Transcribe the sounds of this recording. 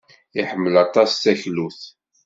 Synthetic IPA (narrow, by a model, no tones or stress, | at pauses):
iħəmːəlɑt̪ˤɑsθæçluθ